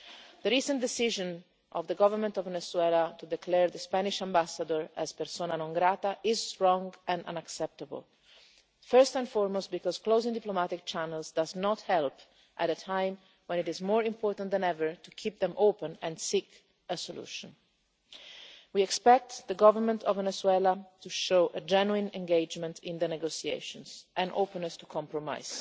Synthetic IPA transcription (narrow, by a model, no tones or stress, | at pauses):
d̪əɾiːsə̃nd̪ɛsiʒə̃n | ʔɔ̰vðəɡɔvəɹmə̃nt̪ɔvvɛnɛswɛlat̪ud̪ɛkʰlɛɹðəspænɪʃãmbasad̪əɹɛz̥pɛɾsoːnanɔ̃ŋɡɾat̪aʔɪzstɹɔ̃ŋɡɛ̃nã̰naksɛp̚t̪abə̰l | fɜɹst̪ɛ̃nfɔɹmostbikɔz̥klozɪ̃ŋd̪iplomat̪ɪk̚t͡ʃænəlzd̪aznɔt̪hɛlp | ʔæt̪ətʰãj̃m | wɛ̃nɪtɪzmɔɹɪ̃mpʰɔːɹt̪ə̃ntd̪ɛ̃nɛvəɹtukʰip̚ðɛ̃mʔoʊpə̃nɛ̃nsik | əsɔlṵːʃə̃n | wiɛkspɛk̚t̪ðəɡɔvəɹmə̃ntʰɔvɛnɛswɛlat̪uʃoʊʔəd͡ʒɛnuĩnɛ̃ŋɡeɪd͡ʒmə̃ntʰɪ̃nd̪ənɛɡosiḛɪʃə̃nsʔɛ̃nʔo̰ʊpə̃nːəst̪ukʰɔ̃mpɹɔma̰ɪz̥